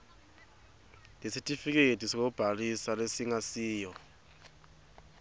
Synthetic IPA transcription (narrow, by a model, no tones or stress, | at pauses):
lesitʼifik̬ʼedʱʼisik̬ɔb̥ʱalisalesiŋasiːjɔ